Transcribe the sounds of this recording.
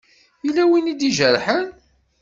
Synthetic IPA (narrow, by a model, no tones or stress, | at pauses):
ilːæwinid̪iʒəɾˤħən